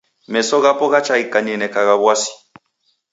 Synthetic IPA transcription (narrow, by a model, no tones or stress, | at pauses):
mɛsɔɣapɔɣat͡ʃaikʼanɛnɛkaɣaβwasi̥